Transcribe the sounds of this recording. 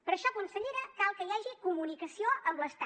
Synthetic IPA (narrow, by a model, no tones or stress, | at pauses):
pəɾəʃɔkunsəʎeɾəkalˠkəjaʒikumunikəsioʔəmbləst̪a